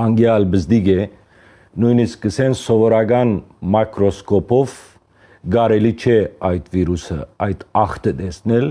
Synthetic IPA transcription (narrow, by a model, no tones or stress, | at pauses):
ɑŋɡjaːlbəsd̪iɡe | nujniskəsensɔʋəɾaɡanmakɾoskopof | ɡaɾelit͡ʃʰeajt̪ʰʋiːɾʉsə̰ʔajt̪ʰaxt̪əd̪esnel